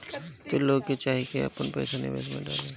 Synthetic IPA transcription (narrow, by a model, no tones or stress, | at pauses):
t̪oloːɡ̚ket͡ʃaːɦikeɐ̰pənpɛ̰jsanɪ̰ʋḛːsmḛ̃ɖa̰ːle